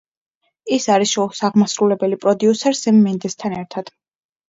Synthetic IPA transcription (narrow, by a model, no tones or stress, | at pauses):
isaɾisɔsaʁmasɾulɛbɛlipʼɾɔd̪iusɛɾsɛmːɛnd̪ɛst̪ʰanɛɾt̪ʰad̪̥